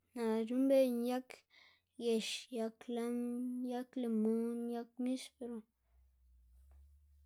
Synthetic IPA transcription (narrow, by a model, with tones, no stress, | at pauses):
nã˨ɾu˦mbe˦˨nja˦k | je˨ʃja˧kla˦nja˦kle˨mũ˦nja˦k̚mi˦spe˨ɾo˨